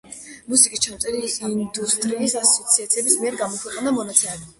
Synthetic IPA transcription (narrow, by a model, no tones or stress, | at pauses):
musikʼist͡ʃʰamt̪sʼɛɾiind̪ust̪ʼɾiːsasɔt̪sʰiat̪sʰiɛbismiɛɾɡamɔkʰwɛqʼnd̪amɔnat̪sʰɛmɛbi